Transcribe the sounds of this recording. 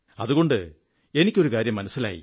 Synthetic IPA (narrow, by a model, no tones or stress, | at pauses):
ɐðuɣo̞ɳɖɨ | e̞nikʲːo̞ɾukaːɾjɐmːɐnɐsːila̰ːjḭ